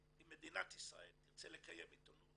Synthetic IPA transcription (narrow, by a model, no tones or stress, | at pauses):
imed̪inat̪hisʁa̰elʁt͡sɛlekʰajɛmit̪onu